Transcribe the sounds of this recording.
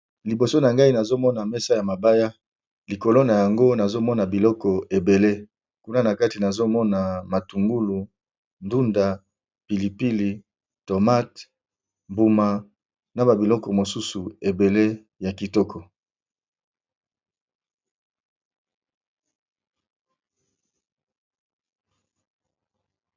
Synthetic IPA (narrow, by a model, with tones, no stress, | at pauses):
li˨bo˨so˦na˨ŋɡa˦i˦na˨zo˦mɔ˦na˨mɛ˦sa˦ja˨ma˨ba˦ja˦ | li˨ko˨lo˦na˨ja˨ŋɡo˦na˨zo˦mɔ˦na˨bi˨lɔ˦kɔ˨e˨be˨le˦ | ku˦na˦na˨ka˦ti˨na˨zo˦mɔ˦na˨ma˨tu˨ŋɡu˦lu˨ | ndu˦nda˨ | pi˨li˨pi˦li˨ | to˨ma˦t | mbu˨ma˨ | na˨ba˨bi˨lɔ˦kɔ˨mo˨su˦su˨e˨be˨le˦ | ja˨ki˨tɔ˦kʰɔ˨